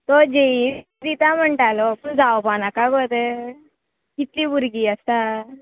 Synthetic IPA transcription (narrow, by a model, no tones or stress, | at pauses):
t̪ɔd͡ʑei | d̪it̪am̤əɳʈalɔpund͡zawpanakaɡot̪e | kit̪liːbuɾɡiːəst̪a